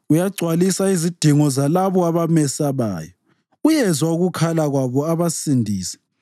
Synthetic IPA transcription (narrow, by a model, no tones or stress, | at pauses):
ujaɡ͡ǀʱwalisaizid̥ʱiŋɔzalaβɔaβamɛsaβa̰ːjɔ | ujɛzwauɣukʰalaɣwaβɔaβasindʱiːsɛ̥